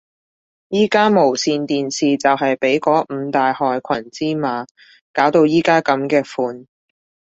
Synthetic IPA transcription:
jiː˥kaː˥mo˨˩wsiː˧nt̪iː˨nsiː˨t͡sɐ˨wɦɐ˨jpe˨˥jkɔː˨˥m̩ː˨˧t̪aː˨jhɔː˨jkʷʰɐ˨˩nt͡siː˥maː˨˧ | kaː˨˥wt̪o˧wjiː˥kaː˥kɐ˨˥mkɛː˧fuː˨˧n

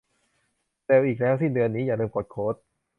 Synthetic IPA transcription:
t̪ɛː˧wʔiː˨˩k̚lɛː˦˥wsi˥˩ŋdɯ˧ənːiː˦˥jaː˨˩lɯː˧mkʰoː˨˩t̪̚kʰoː˦˥t̪̚

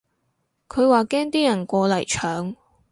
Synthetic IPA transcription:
kʰɵ˨˧ɥwaː˨˩kɛː˥ŋt̪iː˥jɐ˨˩nkʷɔː˧lɐ˨˩jt͡ʃʰœː˨˥ŋ

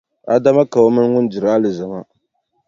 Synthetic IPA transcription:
a˨da˦ma˦ka˨o˦mɨ˦n˦ŋʊ˦n˦dɪ˨ɾa˦lɨ˨za˨ma˦

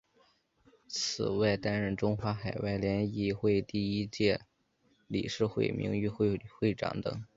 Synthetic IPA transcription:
t͡sʰɹ̩˨˩wa˥˩ɪt̪a˥nɻə˥˩nʈ͡ʂʊ˥ŋxwa˧˥xa˨˩ɪwa˥˩ɪljɛ˧˥ni˥˩xwe˥˧ɪt̪i˥˩i˥t͡ɕjɛ˥˩ | lḭ˨˩ʂɻ̩˥˧xwḛ˥˩ɪmḭ˧˥ŋy˥˧xxwe˥˩ɪʈ͡ʂɑ̰˧˩˥ŋt̪ɤ̰˨˩˦ŋ

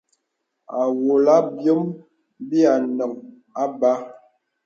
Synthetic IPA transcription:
a˨wo˨la˦bjə˦m | bi˦a˨nə˨ŋ | a˦ba˦

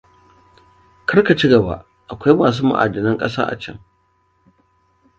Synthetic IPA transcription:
kɐ˦rka˨t͡ʃi˦ɡɐ˨ba̰˦ʔ | ʔa˨kʷa˦jmaː˨s̬uː˦ma̰˨ʔa̰ː˨d͡ʒɪ˨nɐ˦ŋkʼɐ˦sa̰ː˦ʔa̰˨t͡ʃɐ̰˦ŋ

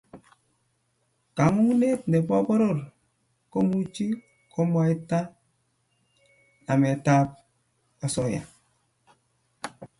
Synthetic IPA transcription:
ka˨˦ŋu˦ŋu˦ne˦tne˨pɔ˦bɔ˦ɾo˦˨ɾ | ko˦mu˦t͡ʃi˦ | kʰo˦m˦a˦i˦tːa˦ | na˨mɛ˨ta˦p̚ | ja˨sɔ˦ja̰˨

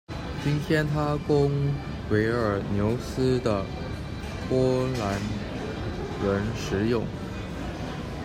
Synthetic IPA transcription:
t͡ɕi˥nt̪ʰjɛ˥nt̪ʰa˥kʊ˥ŋ | we˧˥ɪə˞˨˩njo˧˥ʊsɹ̩˥d̪ə˨ | pwɔ˥la˧˥n | ɻə˧˥nʂɻ̩˧˥jʊ˥˩ŋ

